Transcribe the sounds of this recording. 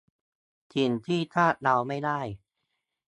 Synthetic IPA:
t̪ʰi˧˩nt̪ʰiː˥˩t̪ʰaː˥˩t̪̚ɾa˧wma˥˩jdaː˥˩j

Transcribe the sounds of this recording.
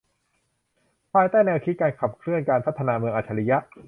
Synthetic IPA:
pʰaː˧jt̪aː˥˩jnɛː˧wk̪ʰi˦˥kaː˧nkʰa˨˩p̚kʰlɯ˥˩ənkaː˧npʰa˦˥t̪ʰːa˧naː˧mɯ˧əŋʔaː˨˩t͡ɕʰa˧li˦˥ja˦˥ʔ

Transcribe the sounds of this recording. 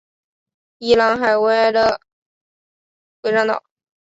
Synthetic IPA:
i˥˩lɑ˧˥ŋxa˨˩ɪwe˧˥ɪlə˧˩ | xwe˧˥ʈ͡ʂɑ˥ŋt̪ɑ̰˨˩˦ʊ

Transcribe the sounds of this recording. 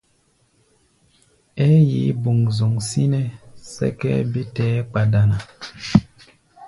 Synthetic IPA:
ɛ˦ji˨˦bu˨ŋzo˨ŋsi˦nɛ˦sɛ̰˦kɛ̰˦bi˦tɛ˦k͡pa˨da˨na˨

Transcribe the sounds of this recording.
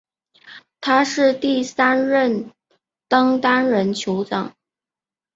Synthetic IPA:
t̪ʰa˥ʂɻ̩˥˧t̪i˥˩sa˥nɻə˥˩n | t̪ɑ˥ŋt̪a˥nɻə˧˥nt͡ɕʰjo˧˥ʊt͡sɑ̰˨˩˦ŋ

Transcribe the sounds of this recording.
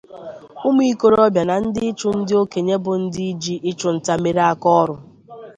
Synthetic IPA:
u˦m˦i˦˨i˦ko˦ɾɔ˦bja˨na˨n̩˦dɪ˦ɪ˦t͡ʃʊ˦n̩˦dɪ˦o˦ke˨ɲe˦bʊ˨n̩˦dɪ˦i˦d͡ʒi˦ʔɪ˦t͡ʃʊ˨n̩˨ta˨me˨˦ɾa˦kɔ˦ɾʊ˨

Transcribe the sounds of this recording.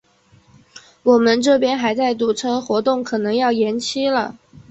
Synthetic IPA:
wɔ˨˩mə˦nʈ͡ʂɤ˥˩pjɛ˥nxa˧˥ɪt͡sa˥˩ɪt̪u˨˩ʈ͡ʂʰɤ˥xwɔ˧˥t̪ʊ˥˩ŋkʰɤ˨˩nɤ˧˥ŋjɑ˥˩ʊjɛ˧˥nt͡ɕʰi˥lə˨

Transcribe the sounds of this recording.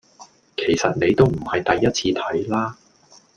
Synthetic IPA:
kʰe˨˩jsɐ˨t̚ne˨˧jt̪o˥wm̩˨˩hɐ˨jt̪ɐ˨jːɐ˥t̚t͡sʰiː˧t̪ʰɐ˨˥jlaː˥

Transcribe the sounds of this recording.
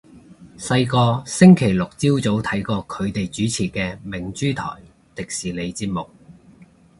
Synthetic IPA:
sɐ˧jkɔː˧sɪ˥ŋkʰe˨˩jlʊ˨k̚t͡siː˥wt͡so˨˥wt̪ʰɐ˨˥jkɔː˧kʰɵ˨˧ɥt̪e˨jt͡ʃyː˨˥t͡sʰiː˨˩kɛː˧mɪ˨˩ŋt͡ʃyː˥t̪ʰɔ̰ː˨˩j | t̪ɪ˨k̚siː˨˩le˨˧jt͡siː˧t̚mʊ˨k̚

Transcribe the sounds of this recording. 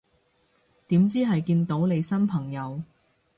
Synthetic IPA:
t̪iː˨˥mt͡siː˥ɦɐ˨jkiː˧nt̪o˨˥wle˨˧jsɐ˥npʰɐ˨˩ŋjɐ˨˧w

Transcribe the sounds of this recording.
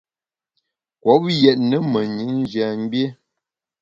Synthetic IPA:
kwɔ˨˦p̚jɛ˨t̚nə˦mə˨ɲi˨˦n̩˦d͡ʒja˨m̩˦bje˦

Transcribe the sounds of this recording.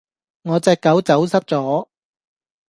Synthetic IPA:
ŋɔː˨˧t͡sɛː˨˧kːɐ˨˥wt͡sɐ˨˥wsɐ˥p̚t͡sɔː˨˥

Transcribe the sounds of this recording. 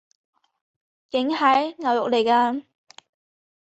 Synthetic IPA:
kɪ˨˥ŋɦɐ˨˥jŋɐ˨wjʊ˨k̚le˨˩jkaː˧

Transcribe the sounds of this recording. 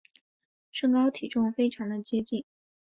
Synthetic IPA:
ʂɤ˥˧ŋkɑ˥ʊt̪ʰi˨˩ʈ͡ʂʊ˥˧ŋfe˥ɪʈ͡ʂʰɑ˧˥ŋd̪ə˧t͡ɕjɛ˥t͡ɕi˥˩n

